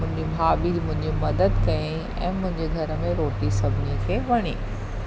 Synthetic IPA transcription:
ʊ̃ɦɪ̃ɲd͡ʑibʱaːbiːlmʊ̃ɦɪ̃ɲd͡ʑimɐd̪əd̪kɐẽ | ɛ̰̃ːmʊ̃ɦɪ̃ɲd͡ʑeɡʱɐɾə̆mẽɾoːʈisɐbʱɪnijəkʰeːʋɐɽ̃iː

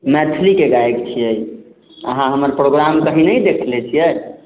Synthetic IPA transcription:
mɛt̪ʰlikeɡaekt͡ʃʰijəj | əɦãɦəməɾpɾoɡɾamkəɦinəid̪ekʰlet͡ʃʰijɛ

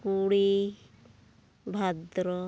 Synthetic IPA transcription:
kuɽi | bʱad̪ɾɔ

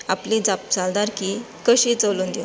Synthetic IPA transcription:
aplid͡zap̚d͡zald̪aɾkiː | kəɕit͡səlund̪e

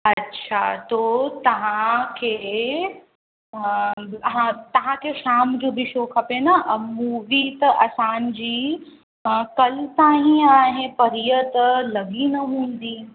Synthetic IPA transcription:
ɐtːɕʰa̰t̪oːt̪ɐʋ̤ãkʰeː | ɦãt̪ɐʋ̤ãkʰeʃaːmd͡ʑoːbʱɪʃoːkʰɐpenɐʔmuːʋit̪ɐʔɐsãːnd͡ʑiː | kɐlt̪aːɦĩaːɦepɐɾijət̪lɐɡinɐɦũːn̆d̪iː

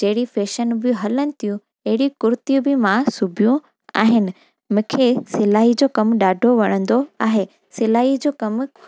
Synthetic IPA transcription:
d͡ʑɐɦɪɽifeːʃənbɪɦɐlənɪ̆t̪ʰijũ | ɐɦɪɽikʊɾt̪ijubɪmãsʊbʱijũ | a̰ːɦɪnɪ̆ | mʊ̃ːkʰesɪlaːɦid͡ʑoːkɐmɗaːɖʱoʋɐɽ̃ə̃nd̪oaːɦe | sɪlaːɦid͡ʑoːkɐm

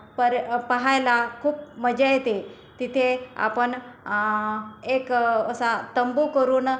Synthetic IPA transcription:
pəɾpəɦajlakʰuːp̚məd͡ʑajt̪e | t̪it̪ʰea̰pən | ekəsat̪əmbukəɾuːn

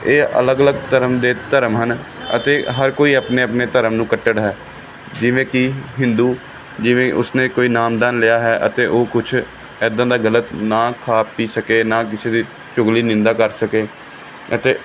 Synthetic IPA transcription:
eːʔə̰ləɡələɡt̪əɾəmd̪eːt̪əɾəmɦənə̰t̪eːɦəɾkoːiːəpneːəpneːt̪əɾəmnũːkəʈːəɽɦɛː | d͡ʒɪʋẽːkɪɦɪ̃nd̪uː | d͡ʒɪʋẽːʔʊsnẽːkoːiːnaːmd̪aːnlɪjaːɦɛːʔət̪eːʔoːkʊt͡ʃʰ | ɛːd̪ãːd̪aːɡələt̪naːkʰaːpːiːsəkeːnaːk̬ɪseːd̪iː | t͡ʃʊŋɡliːnɪ̃nd̪aːkəɾsəkeː | ət̪eː

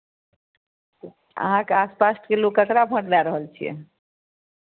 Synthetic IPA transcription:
ə̰ɦãkeaspasʈkelokəkɾabʱə̃ʈlaɾəɦəlt͡ʃʰijɛ̰

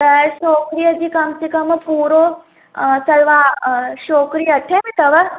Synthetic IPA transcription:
əʃoːkɾijəd͡ʑiːkɐmt͡ɕikɐmpuːɾo | sɐɭʋaʃoːkɾijəʈʰẽmĩt̪ɐʋə

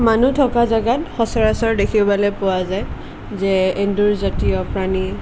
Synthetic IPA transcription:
manutʰɔkazaɡatxɔsaɹasɔɹdekʰibalɔpʊwazaj | zɛenduɹzatijɔpɹani

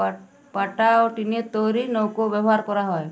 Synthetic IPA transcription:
paʈaɔʈiniet̪ɔɾinɔwkobjɛbɦaɾkɔɾaɦɔe

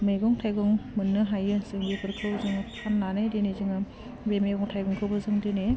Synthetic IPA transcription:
mejɡɔŋtʰajɡɔŋmɯnːɯɦajɯsɯŋbipʰɯɾkʰɯwzɯŋɯpʰamnanajdenezɯŋɯ | bemeɡɔŋtʰajɡɔŋkʰɯbɯzɯŋdene

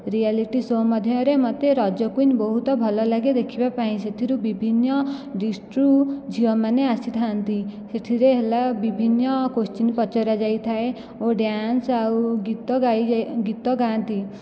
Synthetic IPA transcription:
ɾialiʈisɔmɔd̪ʱjɔɾemɔt̪eɾɔd͡ʒjɔkunbɔɦut̪ɔbʱɔlɔlaɡed̪ekʰibapaɦĩset̪ʰiɾubibʱinːɔɖisʈɾud͡ʒʱiɔmaneasit̪ʰant̪iseʈ̪ʰiɾeɦelabibʱinːɔkost͡ʃinpɔt͡ʃɔɾad͡ʒait̪ʰae | oɖjansawɡit̪ɔaɡit̪ɔɡant̪i

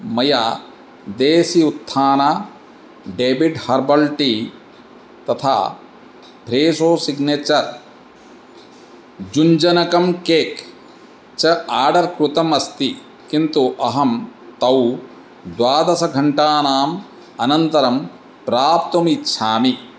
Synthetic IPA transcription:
mɐjaː | d̪eːsiut̪ʰːaːnaː | ɖeːbiɖhɐɾbɐɭʈi | t̪ɐt̪ʰa̰ː | pɾeːsoːsiɡneːt͡ʃɐɾ | d͡ʒuɲd͡ʒɐnɐkɐmkeːk | t͡ʃɐaːɖɐɾkɾut̪ɐmɐst̪i | kint̪uʔɐɦɐmt̪ɐw | d̪waːd̪ɐsɐɡʱɐɳʈaːnaːm | ɐnɐnt̪ɐɾɐm | pɾaːpt̪umitːʃʰaːmi

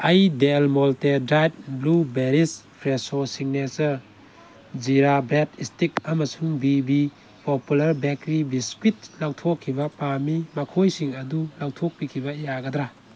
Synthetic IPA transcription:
ɐjdelmɔltedɾajt̚blubeɾispʰɾesosiŋnesɐɾ | d͡ʒiɾabɾetistikɐmɐsuŋbibi | populɐɾbekɾibiskwit̚lawtʰokʰːibɐpamimɐkʰojsiŋɐdulawtʰok̚pikʰibɐjaɡɐd̪ɾa

